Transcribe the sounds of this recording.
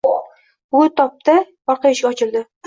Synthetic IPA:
t̪ʰɒp̚t̪ɪ | bɒɾqʰɑjaɪʃɡʲaɒt͡ʃʰɪlˠd̪ɪ

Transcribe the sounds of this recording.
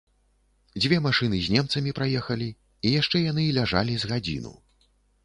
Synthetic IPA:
d͡zʲvʲɛmaʂɨnɨzʲnʲɛmt̪sɐmʲipɾajɛxɐlʲi | ijaʂt͡ʂɛjan̪ɨlʲaʐa̰lʲizɣad͡zʲḭnṵ

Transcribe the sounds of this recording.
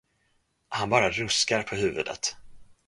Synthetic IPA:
hanbɑːɾaɾɵskaɾpʰɔɦʉ̟ːvɵ̰d̪ə̰t̪

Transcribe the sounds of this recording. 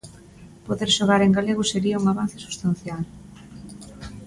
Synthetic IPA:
poðeɾʃoɣ̞aɾeŋɡaleɣʊseɾiɐuŋaβan̟θɪ̥su̥st̪an̟θjal

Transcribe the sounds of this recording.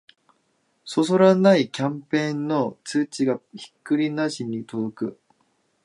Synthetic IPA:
so̞s̬o̞ɾanaikʲãmpẽ̞ːnːo̞t͡sɨːt͡ɕiɡaçi̥kːɯ̟ɾʲinaɕiɲ̟ːit̪o̞d̪o̞kɯ̟

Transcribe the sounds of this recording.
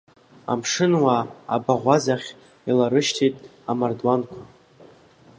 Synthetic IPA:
a̰mʂɨnwa̰ːbaʁʷazaχʲ | ilaɾɨʃtʰijtʼ | amardwankʷʰa

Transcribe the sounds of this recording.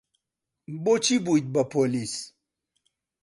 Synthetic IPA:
bot͡ʃibujt̪̚bapolis

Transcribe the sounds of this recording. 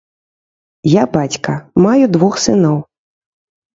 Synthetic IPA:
jabat͡sʲkɐmajud̪vɔxsɨnɔw

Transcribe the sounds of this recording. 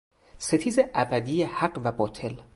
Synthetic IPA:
se̞t̪ʰiːzeʔæbæd̪iːjehæɢvæbɒːt̪ʰe̞l

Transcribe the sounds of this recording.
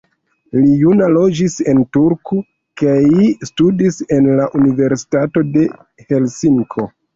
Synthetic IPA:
lijunalo̞d͡ʒise̞ntuɾku | kaistudise̞nlaʔunive̞ɾsi̥tato̞de̞ | he̞lsiŋkʰo̞

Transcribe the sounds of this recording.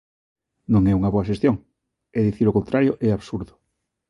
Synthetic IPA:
nõŋɛuŋɐβoaʃest̪joŋ | ɛðiθiɾokont̪ɾaɾjoʔɛaβsuɾðʊ

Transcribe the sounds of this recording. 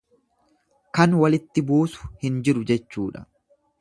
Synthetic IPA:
kɐnwɐlɪt̪ːɪbuːsʊ̥hɪnd͡ʒɪɾʊd͡ʒɛt͡ʃːuːᶑɐ̥̰

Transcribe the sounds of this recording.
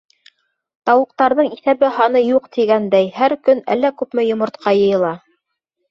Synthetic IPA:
t̪ɑwɤ̆q̚t̪ɑɾðɤɴiθæβɘɦɑnɤjuqt̪iɡænd̪æjhæɾkɵnæ̰lːækʉpmɘjŏmŏɾt̪qʰɑjɤ̆jɤ̆lˠɑ

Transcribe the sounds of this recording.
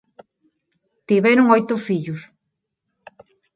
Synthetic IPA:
t̪iβeɾʊŋojt̪ʊfiʎʊs

